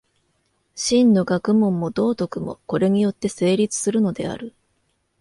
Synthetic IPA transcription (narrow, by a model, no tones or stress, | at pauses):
ɕĩnːo̞ɡakɯ̟mõ̞mːo̞d̪o̞ːt̪o̞kɯ̟mo̞̰ko̞ɾe̞ɲ̟ijo̞t̪ːe̞se̞ːɾʲit͡sɨ̥sɨɾɯ̟no̞d̪e̞̰a̰ɾɯ̟